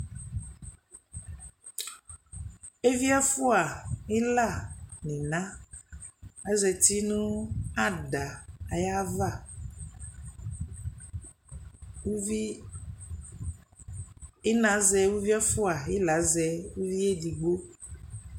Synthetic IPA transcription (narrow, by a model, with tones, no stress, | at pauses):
e˦vi˦a˦fu˦a˨e˦la˦˨nẽ˨nã˦ | a˦zɛ˨t̪i˦nũ˦a˦ɖa˨a˨ja˦va˦˨˦ | e˦nã˨˦zɛ˨wu˦vi˦a˦fu˦a˨e˦la˨˦zɛ˨wu˦vi˦e˦ɖi˨ɡ͡bo˦